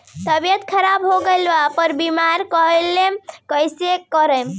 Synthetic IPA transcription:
t̪əbijət̪kʰəɾabɦoɡelbapəɾbimaɾkəɦəlːekəjsekɔɾəm

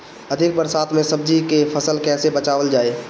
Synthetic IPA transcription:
ɐd̪ʱɪk̚bəɾsaːt̪ʰmẽsəb̚d͡ʒikepʰəsəlkɛːsebət͡ʃaːʋəld͡ʒaːeː

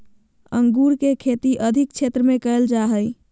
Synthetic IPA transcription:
ə̰ŋɡuɾkekʰet̪iʔəd̪ʱik̚t͡ʃʰet̪ɾəmekəld͡ʒaɦəj

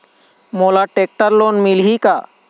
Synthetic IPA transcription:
molaʈek̚ʈəɾlonmilɦika

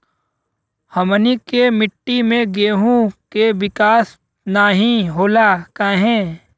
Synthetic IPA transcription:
hɐmənikemɪʈːimẽɡeːɦũkeʋɪkaːs | naːɦĩɦoːlakaːɦɛ̃ː

